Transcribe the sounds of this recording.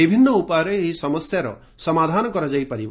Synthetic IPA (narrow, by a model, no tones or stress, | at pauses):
ibʱinːɔupaɾeːɦisɔmɔsjaɾɔ̰ | sɔmad̪ʱanɔkɔɾɔd͡ʒajpaɾib